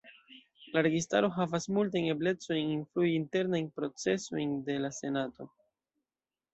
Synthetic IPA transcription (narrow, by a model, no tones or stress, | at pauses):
laɾe̞ɡista̰ɾo̞ɦavasmultajne̞ble̞t͡so̞jninfluiːnte̞ɾnajnpɾo̞t͡se̞so̞jnde̞lase̞nato̞